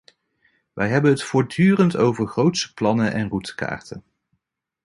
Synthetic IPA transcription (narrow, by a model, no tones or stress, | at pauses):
ʋʔɛjɦɛbənɦətfʊːɹdyːrəntowvəɹχrowtsə̥plɑnəʔɛnrutə̥ka̰ːɹtʰən